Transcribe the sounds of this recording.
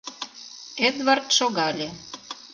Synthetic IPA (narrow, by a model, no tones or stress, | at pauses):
ed̪vɑrt̪ʃoɣɑlʲe